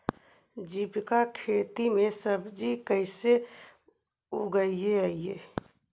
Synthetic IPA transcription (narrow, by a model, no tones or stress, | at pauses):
d͡ʒipkakʰet̪imẽsəbd͡ʒikəɪse | uɡəieəije